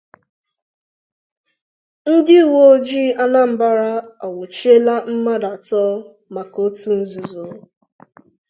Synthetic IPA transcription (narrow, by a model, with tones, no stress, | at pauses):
n̩˦dɪ˦˨wo˦d͡ʒi˦a˦na˦m̩˦ba˦ɾa˦ɔ˨wʊ˨t͡ʃe˦la˦m̩˦ma˦da˨tɔ˦ | ma˨ko˦tu˦n̩˦zu˨zo˨˦